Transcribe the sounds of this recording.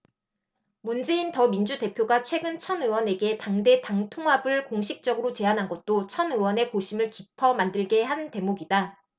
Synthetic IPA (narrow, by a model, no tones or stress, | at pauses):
mund͡ʑe̞intʌmind͡ʑude̞pʰjoɡat͡ɕʰwe̞ɡɯnt͡ɕʰʌnɯwʌne̞ɡe̞taŋde̞taŋtʰoŋɦabɯɭkoŋɕʰik̚t͡ɕ͈ʌɡɯɾot͡ɕe̞anɦanɡʌt̚t͈ot͡ɕʰʌnɯwʌne̞koɕʰimɯɭkipʰʌmandɯɭɡe̞ɦante̞moɡida